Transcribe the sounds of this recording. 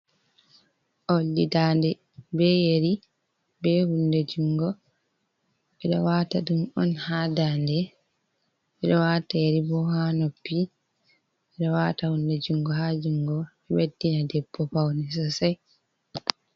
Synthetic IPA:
ʔolːidaːndɛ | bɛjeɾi | bɛhunded͡ʒuŋɡɔ | ɛɗɔwataɗumɔ̰nhaːdandɛ | ʔɛɗɔwaːtajeɾibɔhanopːi | ɛɗɔwaːtahunded͡ʒuŋɡɔhad͡ʒuŋɡɔɛwedːinadɛbːɔpawnɛs̬ɔsaj

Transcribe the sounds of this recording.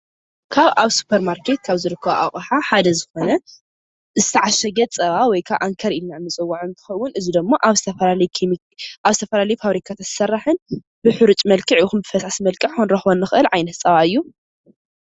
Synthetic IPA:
kʰaβʔaβsu̥pʰːɐɾmaɾkʰet̪̚kʰaβzɨɾɨkʰːɐβoʔa̰χʼħaħad̪ɐzɨxo̞nɐ | zɨt̪ʰɐʕaʃɐɡɐt̪t͡sʼɐβawɔjkʰaβʔa̰ŋkʰɐɾilnaɨnːɨt͡sʼɨwːaʕunt̪ʰɨ̥xɐwːʊnɨzid̪ɨmːoʔaβzɨt̪ʰɐfɐalɐjkʰm | ʔaβzɨt̪ʰɐfɐlalɐjfaβɾikʰat̪ʰat̪ʰɨ̥sɐrːaħɨn | bɨħɨɾɨt͡ʃʼmɐlkʰʼɨʕuxunbɨfɐsasimɐlkʼɨʕxunɾɐxβonːɨxɨʔɨlʕajnɐt̪t͡sʼɐβaɨjːu

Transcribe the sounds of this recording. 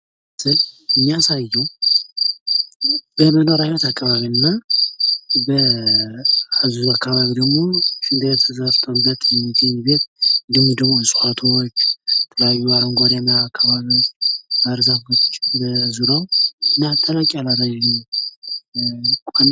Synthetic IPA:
sɨlɨmːijasajːɛw | b̥əmənoɾaot̪akʼːəβaβiɨnːa | bə | azuuakʰːaβaβid̪əɡmo̞ʃɨnd̪əβet̪ʰəzft̪ʰʼonbət̪ʰːjɛmːit̪ʰɨɲibet̪ɨd̪ɨɲːid̪əɡmo̞sʼat̪ʰot͡ʃːt̪ʰəlaβuaɾoŋɡoɾamaakʰːaβaβibaɾzafo̞t͡ʃt͡ʃːnbəzuɾawɨnːat̪ʼːəlakʼialaɾaʒi | kʼan

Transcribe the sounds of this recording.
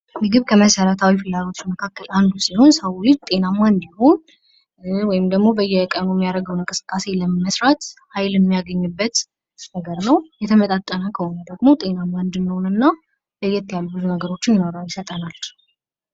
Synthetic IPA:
mɨɡɨβkʰəməsəɾət̪ʰawifɨlːalo̞t͡ʃːməkʰakːəland̪usiho̞nsəwɪt̪ʼe̞namːand̪iho̞n | wɔjɪmd̪əɡmo̞bəjːɛkʼənujɛmːijaɾəɡəwnɨŋkʼɨsɨ̥kʼːase̞ləmməsɾat̪hajljɛmːijaɡəɲːɨbːət̪ | nəɡəɾnəwjɛt̪ʰəmət̪ʼat̪ʼːənəkʰəhonud̪əɡmo̞t̪ʼe̞namand̪ɨniho̞nɨnːa | bəɨjɛt̪ːjalːubɨzunəɡəɾo̞t͡ʃːɪnjɪnoɾəwjɪsət̪ʼənal

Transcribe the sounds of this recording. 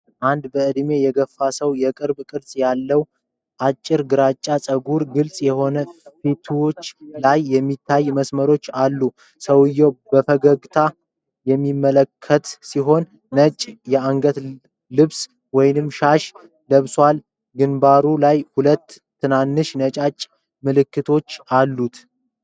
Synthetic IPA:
ʔand̪bəʔɨd̪me̞jɛɡəfːasəwjɛkʼɨɾbkʼɨɾsʼjalːəw | ʔat͡ʃʼːɪɾɡɨɾat͡ʃʼːasʼəɡuɾɡɨlsʼjɛho̞nəfit̪ʰwot͡ʃːlajːɛmːit̪ʰːajməsməɾo̞t͡ʃːalːu | səwɨjɛwb̥əfəɡəɡt̪ʰa | jɛmːimːələkʰːət̪siɦo̞nː | ət͡ʃʼjɛaŋɡət̪ | lɨβs | wɔjnɨmʃaʃ | ləβswal | ɡɨnbaɾulajhulət̪ʰː | ɨnanːɨʃnət͡ʃʼat͡ʃʼː | mɨlɨkːɨt̪ʰo̞t͡ʃːalːut̪

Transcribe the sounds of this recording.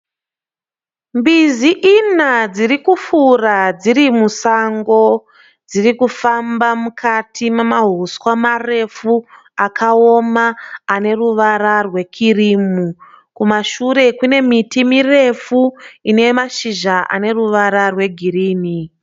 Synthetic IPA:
mbiziʔinad͡zirikufurad͡ziɾimusaŋɡo̞ | d͡ziɾikufambamukʰatʰimamaɦuswamare̞fu | akao̞maːne̞ruʋaɾarwe̞kʰirimu | kumaʃuɾe̞kune̞mitimire̞fuine̞maʃiʒaʔa̰ne̞ruʋaɾarwe̞ɡʱiriːni

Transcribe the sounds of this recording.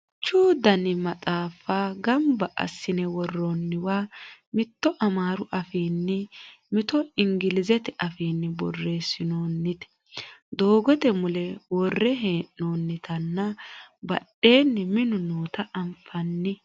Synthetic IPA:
t͡ʃuːd̪ɐnɪmɐt͡sʼaːfaːɡɐmbɐʔɐ̰sːɪnɛwɔrːonːɪwaːmɪt̪ːɔʔɐmaːɾʊʔɐfiːnːɪmɪt̪ɔɪŋɡɪlɪzɛt̪ɛʔɐfiːnːɪbɔrːe̞ːsɪnoːnːɪt̪ɛ̥ | d̪o̞ːɡɔt̪ɛmʊlɛwɔrːɛɦeːʔnoːnːɪt̪ʰɐnːɐbɐ̰ɗe̞ːnːɪmɪnʊnoːt̪ɐʔɐmfɐnːɪ

